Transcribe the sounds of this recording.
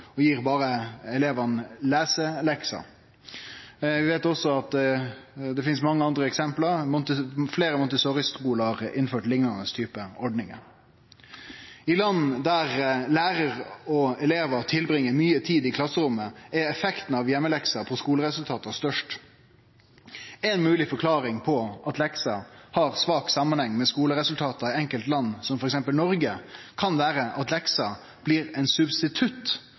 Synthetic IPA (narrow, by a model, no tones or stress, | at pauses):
ɔjiːɾbɑːɾəɛleːʋɑnlæːsəlɛksɑ̰ | ʋɪʋeːt̪ɔsːɔɑt̪ | d̪ɛfɪnsmɑŋːəɑnd̪ɾəɛksɛmpləɾmʊnt̪fleːɾəmʊnt̪əsɔɾɪst̪ʁuːləɑɾɪ̰nføːʈlɪŋnɑnəst̪ʰyːpəɔɖnɪŋə̰ | ɪlɑnːd̪æɾlæːɾəɾɔɛleːʋət̪ʰɪlbɾɪŋːəmyːət̪ʰiːd̪ɪkʰlɑsəɾʊmːəɛɛfɛkt̪n̩ɑʋjɛmːəlɛksɑpʰɔskuːləɾɛsʉlt̪ʰɑːt̪ɑst̪œʂʈ | ɛɪnmʉːlɪfɔkʰlɑːɾɪŋpʰɔʔɑt̪lɛksɑhɑɾsʋɑːksɑmːɑnhɛŋːmɛskuːləɾɛsʉlt̪ʰɑːt̪ɑɪɛŋkəlt̪lɑnːsɔmfɔɾɛksɛmpəlnɔɾɡəkʰɑnʋæːɾəʔɑt̪lɛksɑ | b̥liːɾɛɪnsʉbst̪ɪt̪ʰʉt̪